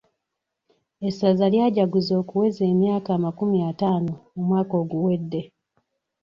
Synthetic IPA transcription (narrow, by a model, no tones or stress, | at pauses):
esazaljaːɟaɡuzo̞ːkuwe̞ze̞ːmjaːkaːmakumiataːnoumwaːko̞ːɡuwe̞dːe̞